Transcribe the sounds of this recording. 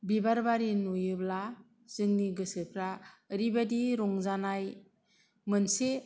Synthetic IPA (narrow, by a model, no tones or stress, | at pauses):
bibaɾbaɾinujɯbla | z̥ɯŋniɡɯsɯpʰɾaɾibadiɾɔŋzanaj | mɯnse